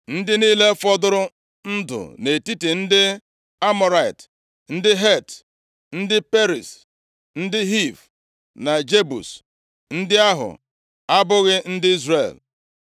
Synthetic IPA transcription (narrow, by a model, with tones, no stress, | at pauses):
n̩˦dɪ˦niː˦le˦fɔ˦dʊ˦ɾʊ˦ | n̩˦dʊ̰˨ne˨ti˦ti˨n̩˦dɪ˦ | a˦mɔ˨ɾa˨ɪ˨t | n̩˦dɪ˦ɦe˦˨t | n̩˦dɪ˦pe˦ɾi˨s | n̩˦dɪ˦ɦi˦˨v | na˨d͡ʒe˦bṵ˨s | n̩˦dɪ˦a˦ɦʊ̰˨ | a˦bʊ˦ɣɪ˦n̩˦dɪ˦i˦zre˨l